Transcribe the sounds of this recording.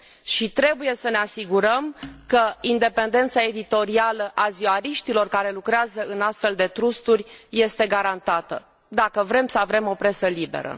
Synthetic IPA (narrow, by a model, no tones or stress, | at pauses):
ʃit̪ɾe̞buje̞səne̞asiɡuɾəmkəind̪e̞pe̞nd̪e̞nt̪sae̞d̪it̪o̞ɾialəʔaziaɾiʃt̪ilo̞rkaɾe̞lukɾeazəɨnast̪fe̞ld̪e̞t̪ɾust̪urʲje̞st̪e̞ɡaɾant̪at̪ə̰ | d̪akəvɾe̞msəavɾe̞mo̞pɾe̞səlibḛɾə̰